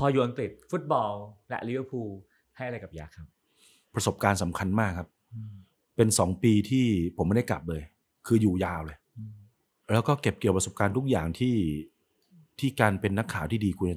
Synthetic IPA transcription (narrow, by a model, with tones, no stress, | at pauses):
pʰɔː˧juː˨˩ʔa˧ŋkɾi˨˩t̪̚fu˦˥t̪̚bɔː˧llɛ̰˦˥ʔli˦˥ʋə˦˥pʰuː˧ | ha˥˩jʔa˨ɾa˧jka˨˩p̚jaː˦˩kʰa˦˥p̚ | pɾa˧so˨˩p̚kaː˧nsa˩˦mkʰa˧nmaː˥˩kʰːa˦˥p̚ | pe˧nsɔː˩˦ŋpiː˧t̪ʰiː˥˩pʰo˩˦ma˥˩da˥˩kla̰˨˩p̚lɤː˧j | kʰɯː˧juː˨˩jaː˧wlɤː˧j | lɛː˦˥wkɔː˥˩ke˨˩p̚ki˨˩əpɾa˧so˨˩p̚kaː˧nt̪ʰu˦˥k̚jaː˨˩ŋt̪ʰiː˥˩ | t̪ʰiː˥˩kaː˧npe˧nːa˦˥kʰːaː˩˦wt̪ʰiː˥˩diː˧kʰu˧n˩